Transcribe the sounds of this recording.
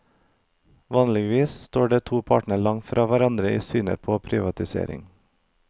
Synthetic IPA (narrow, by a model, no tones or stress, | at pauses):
ʋɑːnlɪɡʋiːsst̪oːɖeːt̪ʰuːpʰɑ̰ːʈɳəɭɑŋfɾʔɑːʋæɾɑnd̪ɾəḭːsyːnə̰ɾpʰoːpʰɾɪʋɑt̪ɪsḛːɾɪ̰ŋ